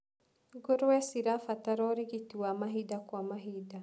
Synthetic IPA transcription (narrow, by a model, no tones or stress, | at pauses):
ɡoɾowɛsiɾafat̪aɾɔɾiɡit̪iwamaɦid̪akwamaɦida